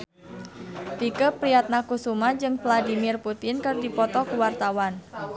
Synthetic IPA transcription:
t̪ikəpɾiat̪̚nakusumad͡ʒɨŋvladimirput̪ɪnkɨrdipɔt̪ɔkuwart̪awan

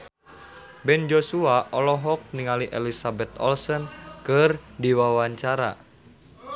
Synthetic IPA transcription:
bɛnd͡ʒosuaʔɔlɔɦɔk̚niŋaliʔɛ̰lisabɛt̪ɔ̰lsɔnkɨrdiwawaɲt͡ʃaɾa̰

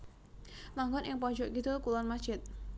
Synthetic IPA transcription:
laŋɡɔnʔɪŋpɔ̥d͡ʒɔʔkid̪ʊlkulɔnmḁt͡ʃɪt̪̚

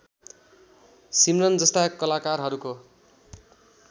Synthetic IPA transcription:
simrʌnd͡zʌst̪akʌlakarɦʌɾuko

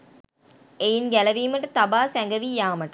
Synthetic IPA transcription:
ejinɡælɐʋiːmɐʈːɐt̪ɐbaːsɛŋɡɐʋijaːmɐʈɐ

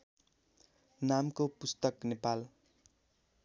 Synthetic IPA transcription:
namkopust̪ʌknepal

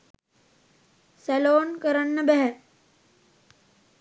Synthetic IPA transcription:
sɛloːnkəɾənːəbeɦɛ

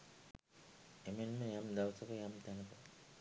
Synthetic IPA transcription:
emenməjamd̪aʋsəkəjamt̪ænəpə

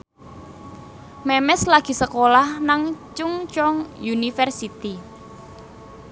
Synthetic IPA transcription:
mɛmɛslaɡ̥i̤səkolahnaŋt͡ʃuŋt͡ʃɔŋjunifərsit̪i

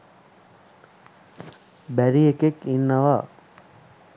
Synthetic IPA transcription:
bæɾiekekinːəʋaː

